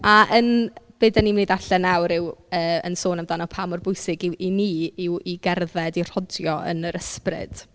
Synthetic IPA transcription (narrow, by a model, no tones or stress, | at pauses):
aʔənb̥eːdanimneðaɬɛnawɾɪwəːə̰nsoːnamdanɔpʰamɔrbʊjsɪɡɪwiniːɪwiɡɛrðɛdir̥ɔdjɔə̰nəɾəsprɪ̰d̥